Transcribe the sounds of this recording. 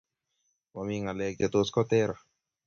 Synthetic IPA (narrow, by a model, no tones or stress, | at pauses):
mamiŋalɛket̪oskɔt̪ɛɾa